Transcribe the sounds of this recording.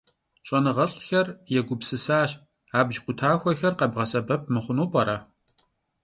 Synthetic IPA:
ɕʼɐnɨʁɐɬʼxɐrjɛɡʷʊbsɨsaːɕ | aːbʒqʷʼʊtʰaːxʷɔxɐrqɐbʁɐsɐbɐp̚ʰmɨχʷʊnuːpʼɐɾɐ

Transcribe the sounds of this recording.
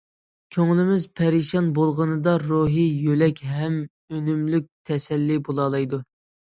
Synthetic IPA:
kʲʰøŋlɪmɪzpʰɛɾiʃɑnbolˠʁənɨd̪ɑɾoɦijølɛkʲɦɛm | ønymlyk̚ʲt̪ʰɛsɛlːɪbolˠɑlˠɑjd̪u

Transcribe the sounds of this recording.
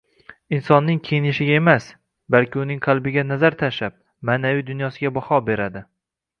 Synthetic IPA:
ɪnsɒnːɪŋkʲʰejɪnɪʃɪɡʲaemas | balkʲɪʊnɪŋqʰɑlˠbɪɡʲanazaɾt̪ʰaʃap̚ | maːnavijd̪ʊnjɒsɪɡʲabɒhɒbe̞ɾad̪ɪ

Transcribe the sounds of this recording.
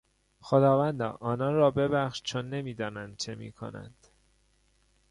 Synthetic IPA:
xo̞d̪ɒːvænd̪ɒ̰ːʔɒːnɒːnrɒːbe̞bæχʃt͡ʃʰonːe̞miːd̪ɒːnænd̪̚t͡ʃʰemḭːkʰo̞̰næ̰nd̪̥

